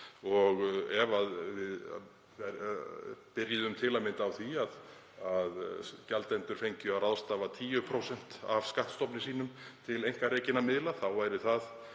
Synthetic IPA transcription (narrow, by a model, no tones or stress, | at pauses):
ɔɣɛvaðvɪð | pɪɾjɪðʏmt̪ʰɪlamɪnt̪awθiað | aðcɛlt̪ɛnt̪ʏɾ̥fejɲcʏaɾaðst̪aːvat̪ʰiːjʏpʰɾowsɛn̥t̪a̰v̥skaht̪st̪ɔpnɪsiːnʏmt̪ʰɪlejŋ̥kaɾeːcɪnːamɪðlaθawvaːjɾɪθað